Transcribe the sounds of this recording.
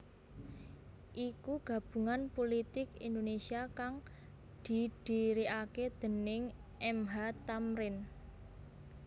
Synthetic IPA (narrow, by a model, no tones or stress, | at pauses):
ʔikuɡ̥a̤b̥ṳŋanpolit̪ɪkind̪onesiakaŋ | d̪̥i̤d̪̥i̤ɾiʔaked̪̥ə̤nɪŋ | ʔɛmɦat̪amɾɪn